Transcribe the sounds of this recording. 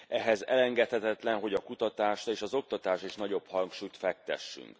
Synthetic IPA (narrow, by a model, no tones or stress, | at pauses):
ɛɦɛzɛlɛŋɡɛt̪hɛt̪ɛt̪lɛnɦo̞ɟɒkut̪ɒt̪aːʃeːʃɒzo̞k̚t̪ɒt̪aːʃeːʃnɒɟo̞phɒŋkʃuːjt̪fɛk̚t̪ɛ̰ʃːy̰ŋk